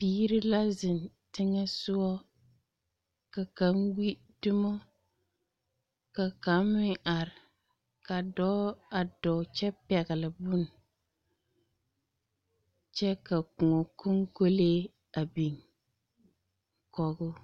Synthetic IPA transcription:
piː˦ɾɪ˦la˦zɪ˨n | tɪ˦ŋɛ˦sʊ˦ɔ˦ | ka˨ka˨˦ŋɡi˦ | dʊ˦mɔ˦ | ka˨ka˨˦mmɪ˦˨ŋʔa˨ɾɪ˨ | ka˨dɔː˦a˨dɔ˨t͡ʃɛ˦pɛ˨ɣɪ˨lɪ˨bʊ˦˨n | t͡ʃɛ˦ka˨kʊ˨ŋɔ˨ko˦ŋko˦leː˦ | a˨bi˨ŋ | kɔ˨ɡʊ˦

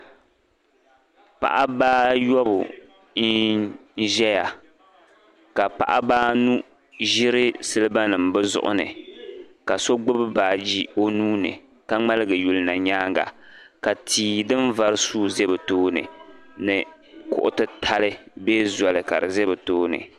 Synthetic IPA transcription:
pa̰˨ʔa˦baː˦jɔ˦bʊ̰˨ | n̩˦ | ʒɛ˦ja˨ | ka˨pa̰˨ʔa˦baː˦nu˦ | ʒɪ˦ɾɨ˦sɨ˦lɨ˦ba˦nɨ˨mbɨ˦zʊ̰˦ʔʊ̰˦nɨ̰˨ | ka˨so˦ɡ͡bʊ˦bɨ˦baː˨d͡ʒi˦o˦nuː˦nɨ̰˨ | ka˦ŋ͡ma˦lɨ˦ɡɨ˨ju˨lɨ˦na˨ɲaː˦ŋɡa̰˨ka˨tʰiː˨dɨ˦nva˦ɾɨ˦suː˦ze˦bɛ˨toː˦nɨ̰˨ | nɨ˨ | kʊ̰˨ʔʊ˦tɨ˦tʰa˦lɨ˦beː˦zɔ˨lɨ˨ka̰˨ɾɨ˨ze˦bɛ˨toː˦nɨ̰˨

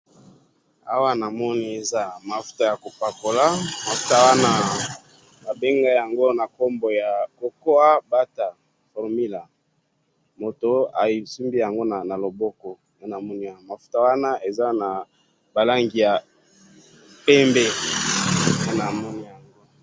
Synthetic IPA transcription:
a̰˦wa˦na˨mɔ˦ni˦e˨za˦ma˨fu̥˦ta˦˨ja˨ko˨pa˨ko˨la˦ma˨fu̥˦ta˦wa˦na˦ | ba˨be˦ŋɡa˦ja˨ŋɡo˦na˨ko˦mbo˨ja˨ko˨ko˦a˦ba˦ta˨ | fɔ˨ʁmi˦la˨ | mo˨to˨a̰˨i˨su˦mbi˦ja˨ŋɡo˦na˨na˨lo˨bɔ˦kɔ˨ | a˦na˨mɔ˦ni˦ja˦˨ma˨fu̥˦ta˦wa˦na˦e˨za˦na˨ | ba˨la˦ŋɡi˨ja˨ | pɛ˦mbe˦˨ja˦na˨mɔ˦ni˦ja˨ŋɡo˦

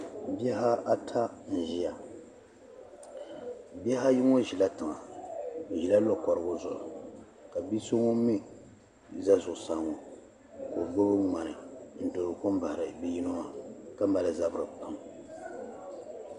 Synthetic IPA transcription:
bi˦ɛ˦ɦa˦a˦tʰa˦n̩˨ʒi˦a˨ | bi˦ɛ˦ɦa˦ji˦ŋo˦ʒi˨la˦tɨ˨ŋa˨ | ʒi˨la˦lo˦kɔ˨ɾɨ˨ɡʊ˦zʊ̰˨ʔʊ̰˨ | ka˨bi˦so˦ŋo˦mi˦˨ | za˦zʊ˨ʔʊ˨sa˨ŋo˨ | ko˨ɡ͡bo˦bɨ˦ŋ͡ma˨nɨ˨n̩˨do˨ɾʊ˨ko˦m˦ba˨hɾɨ˨bi˦ji˦no˦ŋa˦ka˦m˦ba˨lɨ˨za˦bɨ˦ɾɨ˨k͡pa˨m

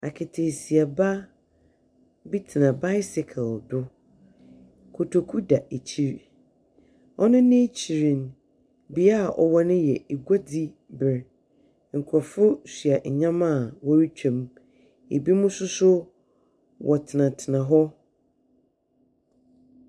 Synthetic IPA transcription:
a˨kʰɪ˨tʰe˨si˨a˨ba˦ | bi˦tʰɪ˨nã˨ba˦ɪ˦sɪ˨kʰɪ˨ldʊ˦ | kʰo˨tʰo˨kʰu˦da˨e˨t͡ɕʰi˦ɾ | ɔ˦nʊ̃˦nɪ̃˦t͡ɕʰi˨ɾĩ˨n | bi˨a˦˨ʔɔ̰˨wɔ˦nʊ̃˦jɛ˨e˨ɡa˦di˦ | bɪ˨ɾ | ŋ̩˨kʰɾɔ˨fʊ˦sɥa˨ɲ˨ɲã˦mã˦˨wɔ˦ɾi˦t͡ɕᶣʰã˨m | ḛ˨bi˦mʊ̃˦sʊ˦sʊ˦ | wʔɔ˨tʰɪ˨nã˨tʰɪ˨nã˨ɦɔ˦

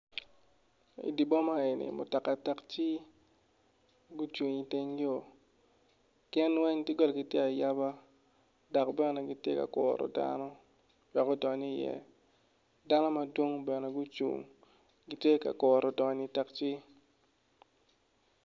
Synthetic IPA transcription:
ḭ˨di˨bɔ˦ma˦e˨nḭ˨mʊ̰˨ta˨kːa˨ta˦kt͡ʃi˦ | ɡu˦t͡ʃu˨ŋi˨tɪ˦ŋɡɪ˦o˨ | kɪ˦nwɛ˦ŋtɪ˦ɡɔ˦lɡɪ˦tje˦a˨ja˦ba˦ | dɔ˨kbɛ˦nɛ˨ɡɪ˦tje˦ka̰˨kɔ̰˨ɾɔ̰˨da̰˦nɔ˦ | wɛ˨kɔ˦dɔ˨ni˦˨jɛ̰˦ | da˦nɔ˦ma˨dwo˦ŋbɛ˨nɛ˨ɡu˦t͡ʃṵ˨ŋ | ɡɪ˨˦tje˦ka̰˨kɔ˨ɾɔ˨dɔ˨ni˦ta˦kt͡ʃi˦

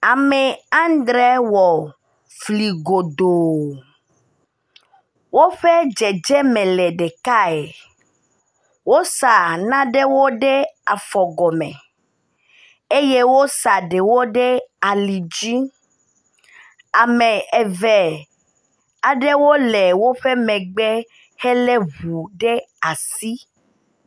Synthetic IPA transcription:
a˨me˨ã˦nd̪ɾɛ˦wɔ˨ | fli˨ɡo˨d̪o˨ | wo˦ɸe˦d͡ʒɛ˨d͡ʒɛ˦mẽ˨lɛ˨ɖe˨ka˦e˨ | wo˦sa˨nã˦ɖe˦wo˦ɖe˦a˨fɔ˨ɡɔ˨mḛ̃˨ | e˦je˦wo˦sa˨ɖe˨wo˦ɖe˦a˨li˨d͡ʒi˦ | a˨mẽ˨e˨vɛ˨ | a˨ɖe˦wo˦lɛ˨wo˦ɸe˦mɛ̃˨ɡ͡be˦ | hɛ˦le˦βu˨ɖe˦a˨si˦

